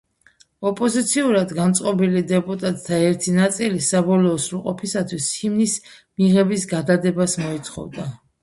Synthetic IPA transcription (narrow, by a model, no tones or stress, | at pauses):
ɔpʼɔzit̪sʰiuɾad̪ɡant̪sʼqʼɔbilid̪ɛpʼut̪ʼat̪ʼt̪ʰːaɛɾt̪ʰinat̪sʼilisabɔlɔːsɾulˠqʼɔpʰisat̪ʰwishimnismiʁɛbisɡad̪ad̪ɛbasmɔit̪sʰχɔ̰vd̪a